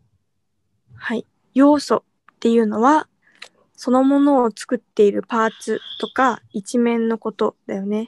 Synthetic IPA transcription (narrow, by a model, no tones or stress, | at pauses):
hai | jo̞ːso̞ | t̪ːe̞jɯ̟ːno̞βa | so̞no̞mo̞no̞ːt͡sɨ̥kɯ̟t̪ːe̞iɾɯ̟paːt͡sɨt̪o̞kait͡ɕimẽ̞nːo̞ko̞t̪o̞d̪̥ajo̞ne̞